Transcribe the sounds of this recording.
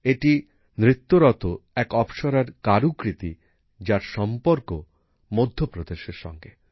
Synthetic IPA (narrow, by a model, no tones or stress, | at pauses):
eʈi | nɾit̪ːoɾɔt̪oɛkɔbʃoɾaɾkaɾukɾit̪i | d͡ʑaɾʃɔmpoɾko | mod̪ʱːopɾod̪eʃeɾʃɔ̰ŋɡe